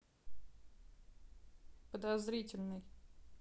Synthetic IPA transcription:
pəd̪ɐzɾʲitʲɪlʲnɨj

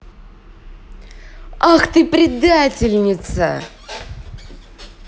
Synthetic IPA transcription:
axt̪ɨpɾʲɪd̪atʲɪlʲnʲɪt̪sə̰

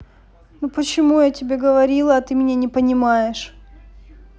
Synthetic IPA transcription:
nupət͡ɕɪmujatʲɪbʲeɡəvɐɾʲilˠəːt̪ɨmʲɪnʲanʲɪpənʲɪmajɪʂ

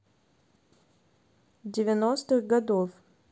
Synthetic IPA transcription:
dʲɪvʲɪnost̪ɨɣɡɐd̪of

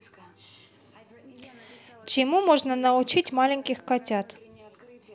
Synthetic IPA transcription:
t͡ɕimumoʐnənɐut͡ɕitʲmalʲɪŋʲkʲixkatʲat̪

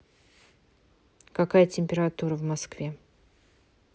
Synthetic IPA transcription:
kɐkajətʲɪmʲpʲɪɾat̪uɾəvmɐskvʲe

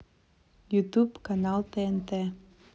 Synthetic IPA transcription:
jut̪upkɑnɑlˠt̪eent̪e

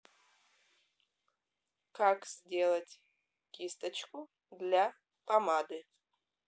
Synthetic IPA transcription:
kʰakʰʼz̥dʲelɐtʲʼ | ɡ̥ʲistʰʼat͡ʃʰkʷʼu | dlʲa | pʰʼamadɨ

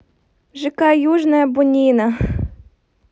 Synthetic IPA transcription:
ʒɪkɑjuʒnɐjɐbʊnʲinɐ

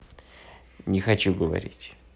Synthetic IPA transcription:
nʲɪxɐt͡ɕuɡəvɐ̰ɾʲḭtʲ

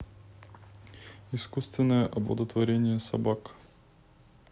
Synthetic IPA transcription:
iskust̪vɛnoɛʔɔblˠɔ̰d̪ot̪vɔɾɛnʲiɛsa̰bak

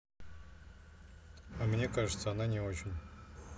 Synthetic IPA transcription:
amnʲekaʐɨt̪saananʲeoʒɪm

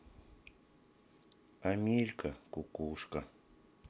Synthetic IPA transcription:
amɪʎkakʊkʊʃɢɑ

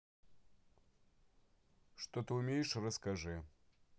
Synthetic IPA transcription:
ʂt̪ot̪ɨumʲejʂrɐskɐʐɨ

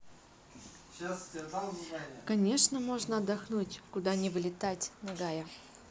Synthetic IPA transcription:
kɐnʲe̞ʂnəmo̞ʐnəɐd̪ːɐxnutʲkʊd̪anʲɪvlʲɪt̪atʲnɐɡajə

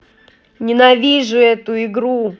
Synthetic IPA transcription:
nʲɪnɐvʲiʐɨɛt̪ʊɪɡɾu

